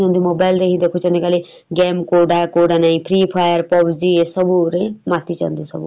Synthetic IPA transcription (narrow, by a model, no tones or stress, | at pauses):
ɔ̃nd̪umobajlɾeɦĩd̪ekʰut͡ʃʰɔnikale | ɡɛmkoɖakoɖanaĩpʰɾipʰajəɾpɔbd͡ziesʌbuɾemat̪ʰit͡ʃʰa̰nd̪usʌ̰bṵ